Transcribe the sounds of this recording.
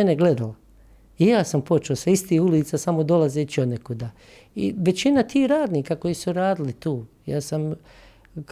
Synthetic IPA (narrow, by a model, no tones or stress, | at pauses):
eneɡle̞d̪ala | ijaːsampo̞t͡ʃeosaist̪iːhuliːt̪sasamo̞d̪olazet͡ʃiod̪nekud̪aː | ḭʋe̞t͡ɕinat̪iːhɾaːd̪niːkako̞jiːsuɾaːd̪ilit̪uːjaːsam